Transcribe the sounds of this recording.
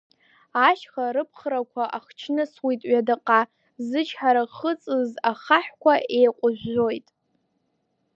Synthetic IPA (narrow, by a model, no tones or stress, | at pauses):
aʃχaɾɨpʰχɾakʷʰaʔaχt͡ʃʰnɨswitʼɥadɨqʼa | zɨt͡ʃʰħaɾaχət͡sʼɨzaχaħʷkʷʰaʔe̞jqʷʼʊʒʷᶣo̞jtʼ